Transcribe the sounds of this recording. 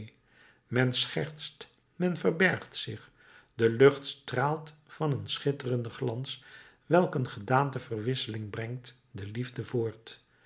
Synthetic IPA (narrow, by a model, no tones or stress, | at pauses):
mɛnsχɛɹtst | mɛnvərbɛɹχtsɪχ | dəlɵχtstraːlˠtfɑnənsχɪtərəndəχlɑns | ʋɛlˠkənχədaːntəvərʋɪsəlɪŋbrɛŋt | dəlivdəvoːɹt